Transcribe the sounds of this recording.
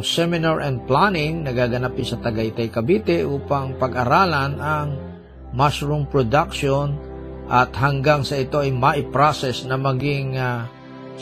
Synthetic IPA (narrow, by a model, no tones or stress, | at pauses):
ŋsɛmɪnaɹʔɛnd̪̚planɪŋnɐɡaːɡɐnapɪsɐt̪ɐɡaɪt̪ajkɐbiːt̪ɛʔuːpaŋpɐɡʔɐɾaːlɐnɐŋ | masɹumpɹod̪akʃon | ʔɐt̪hɐŋɡaŋsɐɪt̪o̞ɐjmaʔɪpɹasɛsnɐmɐɡɪŋa